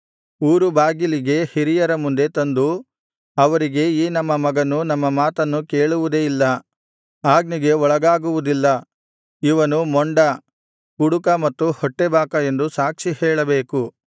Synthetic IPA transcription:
uːɾubaːɡiliɡe̞hiɾijɐɾɐmund̪e̞t̪ɐnd̪u | ɐʋɐɾiɡe̞iːnɐmːɐmːɐɡɐnːunɐmːɐmaːt̪ɐnːuke̞ːɭuʋud̪eːilːɐ | aːɡniɡe̞ɔɭɐɡaːɡuʋud̪ilːɐ | iʋɐnumɔɳɖɐ | kuɽukɐmɐt̪ːuhɔʈːebaːkɐe̞nd̪usaːkʂihɛːɭɐbeːku

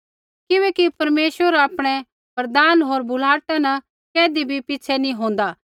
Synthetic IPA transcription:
kɪʋɛːkipɐɾmeːʃwəɾaːpɽ̃ɛ | pɐɾd̪aːnɦoːɾbʊlaːʈanɐ | kɛːd̪ibʱipɪːt͡ʃʰɛnĩɦõːn̆d̪aː

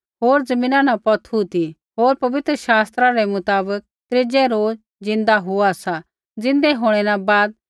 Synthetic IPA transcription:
ɦoːɾd͡zɐmĩːnãnapɐt̪ʰut̪i | ɦoːɾpɐʋɪt̪ɾəʃaːst̪ɾaɾɛmʊt̪aːbək̚t̪ɾɪd͡ʒɛɾoːd͡z | d͡zɪ̃nd̪aɦʊasa | d͡zɪ̃nd̪ɛɦoːɽ̃ɛnabaːd̪̚

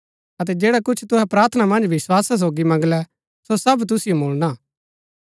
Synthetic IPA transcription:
ɐt̪̬ɛd͡ʒeːɽakʊt͡ʃʰt̪ʊɦɛpɾaːɾt̪ʰənamɐ̃nd͡ʒʋɪswaːsas̬oːɡimɐ̃ŋɡlɛ | sosɐbt̪̬ʊsijomoːɭnaː

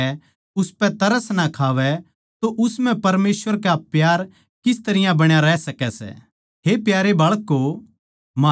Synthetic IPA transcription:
ʊspɛ̃t̪ɐɾəsnakʰaːʋɛ | t̪oʔʊsmɛ̃pɐɾmeːsʋəɾkapjaːɾ | kɪs̬t̪ɐɾɪjãbɐɽ̃jaɾɛsɐkɛsɛ̰ | ɦepjaːɾebɐɭkːo | maː

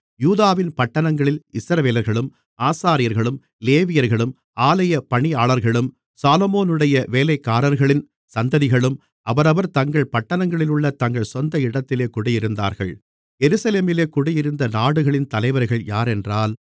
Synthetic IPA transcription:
juːðaːʋɪnpɐʈːɐɳɐŋɡɐɭɪlɪsɾɐʋeːlɐɾɣɐɭɯm | aːsaːɾɪjɐɾɣɐɭɯm | leːʋɪjɐɾɣɐɭɯm | aːlɐjɐpɐɳɪaːɭɐɾɣɐɭɯm | saːlɔmoːnɯɽɐjɐʋeːlɐɪkːaːɾɐɾɣɐɭɪn | sɐnd̪ɐðɪɣɐɭɯm | ʔɐʋɐɾɐʋɐɾt̪ɐŋɡɐɭpɐʈːɐnɐŋɡɐɭɪlʊɭːɐt̪ɐŋɡɐɭsɔnd̪ɐɪɽɐt̪ːɪleːkʊɽɪjɪɾɯnd̪a̰ːɾɣɐ̰ɭ | jɛɾɯsɐleːmɪleːkʊɽɪjɪɾɯnd̪ɐnaːɽɯɣɐɭɪnt̪ɐlɐɪʋɐɾɣɐɭjaːɾɛndraːl

